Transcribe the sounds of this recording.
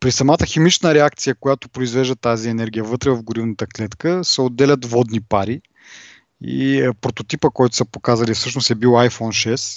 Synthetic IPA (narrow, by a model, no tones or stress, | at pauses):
pɾisɐmat̪əximit͡ʃnəɾɛak̚t̪sijəkojat̪ʊpɾoizvɛʒd̪ət̪aziɛnɛɾɡʲijəvɤt̪ɾɛvɐvɡʊɾivnət̪əklɛt̪kəsɛod̪ːɛlʲɐt̪vɔd̪nipaɾi | ḭpɾot̪ot̪ipəkɔjt̪ʊ̥sɐpokazəlʲiɛfsɤʃnosɛbiwˠajfɔnʃɛs